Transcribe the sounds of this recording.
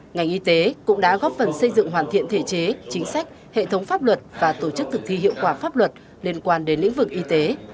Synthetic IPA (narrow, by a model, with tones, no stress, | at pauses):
ŋa˨˩jŋ̟ʔi˧t̪e˨˦kʊ̰˧˥ŋ͡mɗa̰ː˧˥ɣɔ˦˥p̚fə˨˩nsə˧jzɨ̰˧˨ŋɦwaː˨˩nt̪ḭ˧˨ənt̪ʰe˧˩t͡ɕe˨˦t͡ɕï˨˦ŋ̟sa˦˥jk̟̚ | hḛ˧˨t̪ʰə˨˦wŋ͡mfaː˦˥p̚lwə˨˩t̚vaː˨˩t̪o˧˩t͡ɕɨ˦˥k̚t̪ʰɨ˨˩k̚t̪ʰi˧ɦḭ˧˨əwkwaː˧˩faː˦˥p̚lwə˨˩t̚ | li˧ənkwaː˧nɗe˨˦nlḭ˧˥ŋvɨ˨˩k̚ʔi˧t̪e˨˦